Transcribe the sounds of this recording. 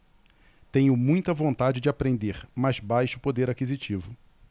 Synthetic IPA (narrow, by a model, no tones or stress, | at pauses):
t̪ẽɲʊmũj̃t̪ɐvõnt̪ad͡ʒɪd͡ʒɪapɾẽnd̪eɾmazbajʃʊ̥pod̪eɾakizit͡ʃivʊ